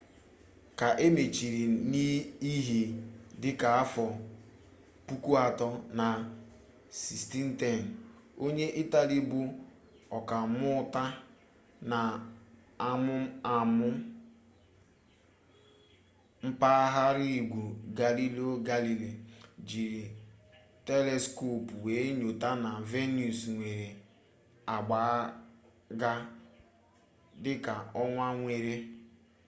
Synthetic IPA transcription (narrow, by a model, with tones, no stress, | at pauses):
ka˨ʔe˦me˨t͡ʃi˨ɾi˨ni˦i˦ɦi˨dɪ˦ka˨a˦fɔ˨ | pu˦ku˦a˨tɔ˦na˨ | si˨sti˦n̩˦te˦˨n̩˨ | o˦ɲe˦ʔi˦ta˨li˦bʊ˦ | ɔ˨ka˨˦mʊ˦ta˦ | na˨ | a˦˨mʊ˦a˨mʊ˦ | m̩˦pa˦ɦa˦ɾi˦˨ɡʷu˨ɡa˨li˦li˦o˦ɡa˦li˨li˨d͡ʒi˨ɾi˨ | te˦le˦sko˦˨pu˨we˨˦ɲo˨ta˦na˨ve˦nu˨sŋʷe˨ɾe˨ | a˨ɡ͡ba˨˦ | ɡa˦ | dɪ˦ka˨ɔ˦ŋʷa˦ŋʷe˨ɾe˦